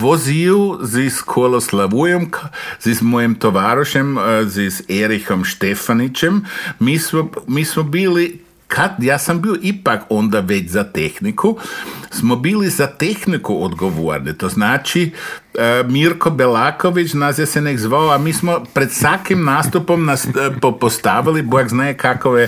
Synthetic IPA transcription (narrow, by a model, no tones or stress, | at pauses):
ʋoziuziskʰoelˠoslaʋujomkzizmojemt̪oʋaːɾoʃemziseɾixo̞mʃt̪e̞fanit͡ʃemːiːsmomiːsmobiːli | kʰad̪jaːsambioʔipako̞nd̪aʋe̞t͡ɕzat̪e̞xnikʰusmo̞biːlizat̪e̞xnikuod̪ɡo̞ʋo̰ɾnit̪oznaːt͡ʃi | miɾko̞belaːko̞ʋit͡ʃnazjaseneɡzʋaoamiːsmopɾe̞d̪sʋakimnaːst̪upo̞mnaspopost̪aʋilibojaɡznaːjekakoʋje